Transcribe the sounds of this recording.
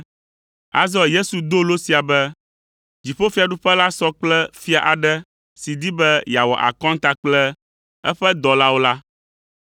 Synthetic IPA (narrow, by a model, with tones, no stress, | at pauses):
a̰˦zɔ˨je˦su˨d̪o˦lo˦si˨a˨bɛ˦ | d͡ʑi˨ɸo˦fi˦a˨ɖu˦ɸɛ˦la˦sɔ˦k͡plɛ˦fi˦a˨ʔa˨ɖɛ˦ | si˨d̪i˦bɛ˦ja˨wɔ̰˨ʔa̰˨kɔ̃˦ŋ˦t̪a˦k͡plɛ˦ | ɛ˦ɸɛ˦d̪ɔ˨la˦wo˦la˦